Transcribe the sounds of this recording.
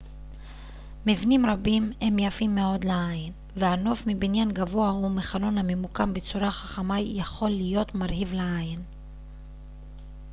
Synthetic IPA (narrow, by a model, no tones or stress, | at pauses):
mivnimɾabimhe̞mjafimːeo̞d̪leajin | veano̞fmibinjanɡavo̞aumeχalo̞nhame̞mukambet͡suɾaχaχamajjaχo̞lːijo̞t̪maʁhivleajin